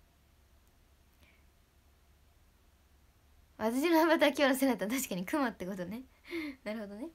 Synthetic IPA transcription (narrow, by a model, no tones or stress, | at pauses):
βat̪aɕ̬inoabat̪aakʲiaɾasenat̪ːat̪aɕi̥kaɲ̟ikɯmat̪ːe̞ko̞t̪one | naɾɯ̟ho̞d̪one̞